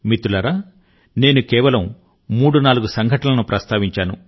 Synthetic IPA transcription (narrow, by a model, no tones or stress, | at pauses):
mit̪ulɐɾaː | ne̞ːnukɛːʋɐlɐmː | uːɽunaːluɡusɐŋɡʱɐʈɐlɐnupɾʔɐst̪aːʋiɲt͡ʃaːnṵ